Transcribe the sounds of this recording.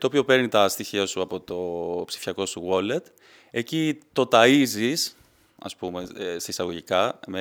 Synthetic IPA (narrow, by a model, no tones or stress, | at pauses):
t̪oːpio̞pe̞ɾnit̪ɐst̪içiɐsuɐpo̞t̪o̞psi̥fɐko̞suɣo̞le̞t̪ | ecit̪o̞t̪ɐizis | ɐ̰spume̞sɐisɐɣo̞ʝikɐme